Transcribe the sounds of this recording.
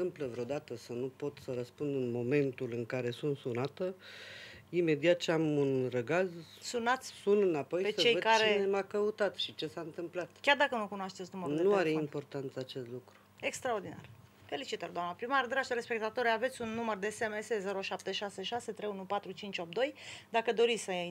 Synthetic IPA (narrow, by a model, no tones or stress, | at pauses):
ɨmpləvɾeod̪at̪əsənupo̞t̪səɾəspund̪ɨnmo̞me̞nt̪ulɨŋkaɾe̞sunt̪sunat̪ə | ime̞d̪iat̪̚t͡ʃeamunrəɡaz | sunat̪sʲsunɨnapo̞jpesət͡ʃejəd̪kaɾeinemakəut̪at̪ʃit͡ʃe̞saɨnt̪ɨmplat̪kʲard̪akənukunoaʃt̪e̞tsʲnuməɾudneuaɾeimpo̞rt̪ant̪səat͡ʃe̞st̪lukɾue̞kst̪ɾaord̪ina̰r | fe̞lit͡ʃit̪ord̪oamnəpɾimaɾd̪ɾaʃɾe̞spek̚t̪at̪o̞ɾave̞t̪sʲunːumərd̪e̞semese̞ze̞ɾoʃap̚t̪e̞ʃase̞ʃase̞t̪ɾejunupat̪ɾut͡ʃint͡ʃʲo̞p̚d̪o̞jd̪akəd̪o̞ɾit̪sʲsə